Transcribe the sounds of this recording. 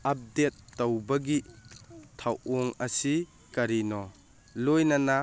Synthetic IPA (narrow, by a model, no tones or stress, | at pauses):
ɐp̚detːowbɐɡi | tʰawɔŋɐsi | kɐɾinɔ | lojnɐna